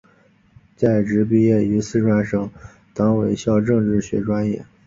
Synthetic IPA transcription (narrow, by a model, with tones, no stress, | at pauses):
t͡sa˥˩ɪʈ͡ʂɻ̩˧˥pi˥˧jɛ˥˩y˧˥sɹ̩˥ʈ͡ʂwa˥nʂɤ˨˩ŋ | t̪ɑ˧˥ŋwe˧˥˩ɪɕjɑ˥˧ʊʈ͡ʂɤ˥˧ŋʈ͡ʂɻ̩˥˩ɕɥɛ̰˧˥ʈ͡ʂwa˥njɛ˥˩